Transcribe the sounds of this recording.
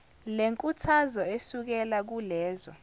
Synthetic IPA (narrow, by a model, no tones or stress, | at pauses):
leŋkʼutʰazɔesuk̬ɛlak̬ulɛːzɔ̰